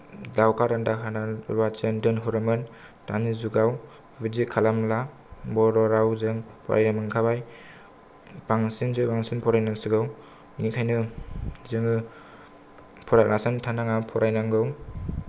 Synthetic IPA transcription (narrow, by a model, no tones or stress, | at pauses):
dawkʰaɾandaɦanawat͡ʃɯndɯnɦuɾɯmɯn | tanizuɡaw | bizikʰalamla | bɔɾɔɾawzɯŋpʰɔ̰ɾʔa̰jnamɯŋkʰabaj | paŋsinzɯbaŋsinpʰɔɾajnaŋsɯɡɯw | nikʰajnɯzɯŋɯ | pʰɔɾajlʔasɯntʰanaŋapʰɔɾajnaŋɡɯw